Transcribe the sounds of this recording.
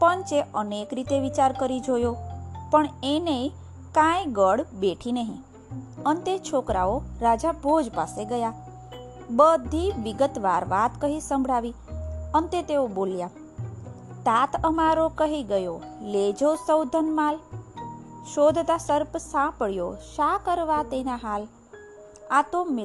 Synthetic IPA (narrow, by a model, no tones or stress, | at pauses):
pənt͡ʃeʔənekɾit̪eʋit͡ʃaɾkəɾid͡ʒojopəɳenei | kãjɡəɽbeʈʰinəɦḭ̃ | ənt̪et͡ʃʰokɾa̰oɾad͡ʒabʱod͡ʒpaseɡəja | bəd̪ʱiʋiɡət̪ʋaɾʋat̪kəɦisə̃mbʱɽaʋi | ənt̪et̪eobolja | t̪at̪ʰəmaɾokəɦiɡəjo | led͡ʒosəwd̪ʱənmal | ʃod̪ʱt̪asəɾpsãpəɽjoʃakəɾʋat̪enaɦal | at̪omɪ